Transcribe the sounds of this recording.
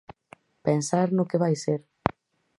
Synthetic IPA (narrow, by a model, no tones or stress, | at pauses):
pensaɾnʊkɪβajseɾ